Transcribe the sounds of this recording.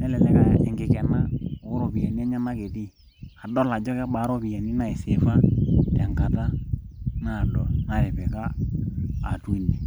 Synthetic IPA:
nɛ˦lɛ˨lɛ˦ka˦˨ɛ˨ŋɡɪ˨kɛ˨nːa˦ʊ˦ɾo˨pi˨ja˨ni˦a˦ɲa˦na˦ke˨ti˦ | a˨dɔ˦la˨d͡ʒɔ˦ka˦baː˨˦ɾɔ˦pi˨ja˨ni˦na˨ɪ˨sɪ˨fa˦tɛ˨ŋka˨ta˦ | na˦˨dɔ˨na˨ɾɛ˨pɛ˨ka̰ː˦˨ | tu˦i˦ndɛ˨

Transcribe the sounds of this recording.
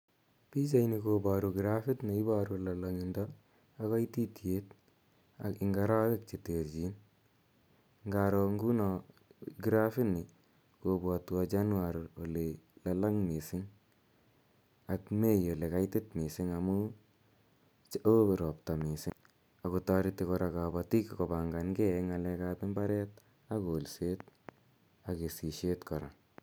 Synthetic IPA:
pi˦t͡ʃa˦jnikobaɾuɡɾafi˦tni˨ɪ˦baɾulalaŋɪndɔː | kɔ˦jti˦tje˦t | a̰˨kɪŋɡa˦ɾa˦kɪ˦k̚t͡ʃe˨teɾd͡ʒi˦n | ŋɡaɾɔŋɡu˦nɔ | ɡɾafɪ˦nɪ˨ | kobwɔ˨tu˨at͡ʃa˦nwaɾo˨lelala˦ŋmi˨sɪ˦ŋ | a˨kme˦jo˨le˨ka˦jtɪ˦tmi˨sɪ˦ŋa˨mu˦ | o˦ɾɔ˨pta˨mi˨sɪ˦ŋ | a˨ko˨ta˦ɾi˦te˧kɔ˧ɾa˨ka˨bati˦kkɔ˨ba˨ŋɡa˨nɡɛ˦ŋa˨lɛ˧kabɪ˦mba˦ɾɛ˦t̚ | a˦kolse˦t̚ | a˨ke˨si˨ʃe˦tkɔ˨ɾa˨

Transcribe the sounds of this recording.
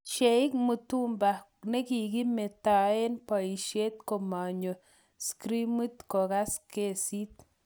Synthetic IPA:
ʃe˨i˦k̚mu˨tu˦mba˨ | ne˦ki˨ki˦me˨ta˨e˦npa˨i˨ʃe˦t̚ko˨ma˨ɲo˨ | skɾi˦mu˦tko˨ka˦ske˦si˦t̚

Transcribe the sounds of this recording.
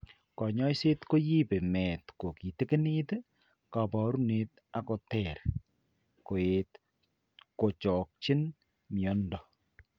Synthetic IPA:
kɔ˨ɲɔ˦jse˦tko˦ji˦pe˨mɛ˨tko˨ki˨te˦ke˦ni˦t | ka˨bɔ˦ɾu˦ne˨t | a˨kɔ˨tɛɾ | ko˨et | ko˨t͡ʃɔ˨k̚t͡ʃɪ˦n | mjɔ˨ndɔ˨

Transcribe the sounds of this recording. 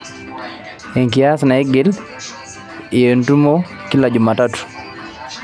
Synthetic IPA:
e˨ŋkijasna˨ɛ˦ɡɪ˦l | ɪje˨ntu˦mo˦ | ki˦la˨d͡ʒʊ˨ma˨tatu̥˨

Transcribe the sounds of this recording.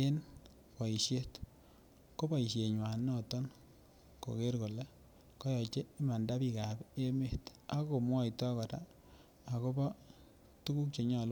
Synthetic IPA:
e˦n | kɔ˨i˨ʃje˦t | ko˦bɔ˨i˨ʃje˨ɲwa˨nːɔ˦˨tɔ˦n | ko̰˨ke˦rko˨le˦ | kɔ˦jɔ˨t͡ʃe˦i˦ma˨nda˦pi˨ka˨be˦me˦˨ta˦ko˨mwɔ˦i˨tɔ˦kɔ˨taː˦˨ | ko˦bɔ˦ | tu˦ku˦k̚t͡ʃe˨ɲɔ˨lo˦

